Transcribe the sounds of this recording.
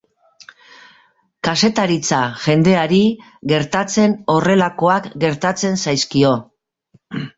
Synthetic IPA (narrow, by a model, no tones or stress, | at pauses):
kase̞t̪aɾit͡saʝe̞nd̪e̞aɾi | ɣe̞ɾt̪at͡se̞no̞re̞lako̞akɡe̞ɾt̪at͡se̞nsajskio̞